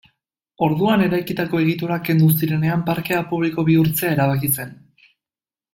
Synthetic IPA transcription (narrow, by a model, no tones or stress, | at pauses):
o̞ɾðuane̞ɾajkit̪ako̞e̞ɣ̞it̪oɾake̞nd̪us̬iɾe̞ne̞ampaɾke̞apuβliko̞βiuɾt͡se̞ae̞ɾaβ̞akise̞n